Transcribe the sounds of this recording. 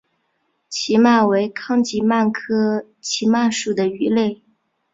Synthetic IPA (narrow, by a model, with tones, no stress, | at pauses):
t͡ɕʰi˧˥ma˥˩nwe˧˥ɪkʰɑ˥˧ŋt͡ɕi˧˥ma˥˩nkʰɤ˥ | t͡ɕʰi˧˥ma˥˩ʂu˨˩d̪ə˦y˧˥le˥˩ɪ